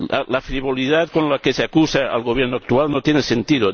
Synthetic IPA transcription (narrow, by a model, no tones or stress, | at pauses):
a̰lafɾiβ̞o̞liðat̪konlakeseakusaa̰lɣoβ̞jeɾnoak̚t̪ualnot̪jenesent̪iðo